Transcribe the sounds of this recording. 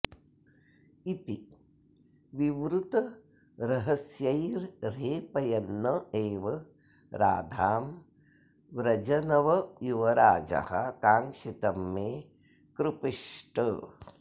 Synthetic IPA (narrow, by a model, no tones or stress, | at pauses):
it̪i | ʋiʋɾut̪ɐ | ɾɐɦɐsjɐjɾɾeːpɐjɐnːɐeːʋɐ | ɾa̰ːd̪ʱaːm | ʋɾɐd͡ʒɐnɐʋɐjuʋɐɾaːd͡ʒɐ̰hɐ̰kaːŋʂit̪ɐmːeː | kɾupiʂʈə